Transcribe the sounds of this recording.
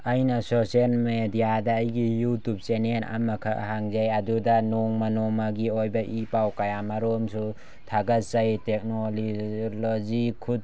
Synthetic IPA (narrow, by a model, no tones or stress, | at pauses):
ɐjnɐsoselmedijadɐːjɡijutup̚senena̰mɐkʰaʔhaŋzajɐdudɐnɔŋmɐnɔmaɡiojbɐʔipawkajamaɾomsu | tʰaɡɐzajtek̚nolilozikʰut̚